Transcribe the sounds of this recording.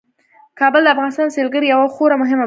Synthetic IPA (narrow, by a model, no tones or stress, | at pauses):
kɑbəld̪əafɣɑnɪst̪ɑnselɡəɾijawaxoɾamʊɦɪma